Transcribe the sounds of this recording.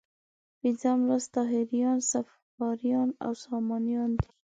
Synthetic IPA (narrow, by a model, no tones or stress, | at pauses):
pinzamɾast̪aɦiɾijɑnsaf | ɑɾijɑna̰wsɑmɑnijɑnd̪i̥